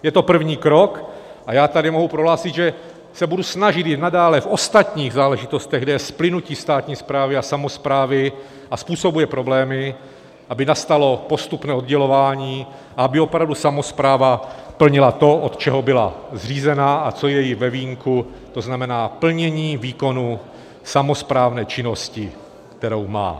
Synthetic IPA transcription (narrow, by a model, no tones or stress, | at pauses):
jɛt̪o̞pr̩vɲiːkɾo̞kʔajaːt̪adɪmoɦupɾoɦlaːsɪt̪ʒɛ | sɛbudusnaʒɪt̪jɪdnadaːlɛfo̞st̪at̪ɲiːɣzaːlɛʒɪt̪o̞st̪ɛɣɡdɛjɛsplɪnuciːst̪aːt̪ɲiːspɾaːvɪasamo̞spɾaːvɪ | ʔaspuːso̞bujɛpɾo̞blɛːmɪ | ʔabɪnast̪alo̞po̞st̪upnɛːo̞d̪ɟɛlo̞vaːɲiː | ʔaabɪopɾavdusamo̞spɾaːvapl̩ɲɪlat̪o̞ʔot̪t͡ʃɛɦo̞bɪla̰zr̝iːzɛnaat͡so̞jɛjɪvɛviːŋkʰu | t̪o̞znamɛnaːpl̩ɲɛɲiːviːko̞nu | samo̞spɾaːvnɛːt͡ʃɪno̞scɪ | kt̪ɛɾowma̰ː